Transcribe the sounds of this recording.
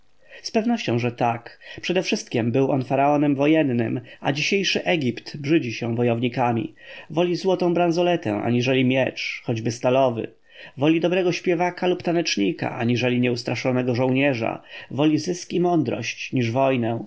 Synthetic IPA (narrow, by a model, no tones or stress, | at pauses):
spɛvnɔɕt͡ɕɔ̃w̃ʐɛt̪akpʂɛd̪ɛfʂɘst̪̚kʲɛmbɘwʔɔnfaɾaɔnɛmvɔjɛnːɘ̰ma̰d͡ʑiɕejʂɘʔɛɡʲipt̪bʐɘd͡ʑiɕɛ̃vɔjɔvɲikamʲḭvɔlʲizwɔt̪ɔ̃w̃bɾanzɔlɛt̪ɛ̰̃ʔa̰ɲiʐɛlʲimʲjɛt͡ʂxɔd͡ʑbɘst̪alɔvɘ̰ | vɔlʲid̪ɔbɾɛɡɔɕpʲjɛvakalupt̪anɛt͡ʂɲika̰ʔaɲiʐɛlʲiɲɛust̪ɾaʂɔnɛɡɔʐɔ̃w̃ɲɛʐa̰vɔlʲizɘskʲimɔnd̪ɾɔ̰ɕt͡ɕɲiʐvɔjnɛ̃